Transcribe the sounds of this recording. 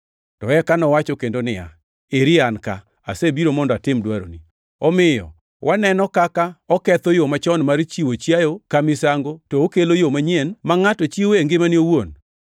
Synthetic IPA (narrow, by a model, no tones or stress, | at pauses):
tɔɛkanɔwat͡ʃɔkendonɪja̰ | eɾianka | a̰sebiɾomɔndɔatɪmdwaɾo̰ni | ɔmɪjɔ̰ | wʔanɛnɔkakaɔkɛt̪ɔjomat͡ʃɔnmaɾt͡ʃiwot͡ʃjajokamɪsaŋɡotoːkelojomaɲɛnmaŋatɔt͡ʃiweŋɡɪmanɪowon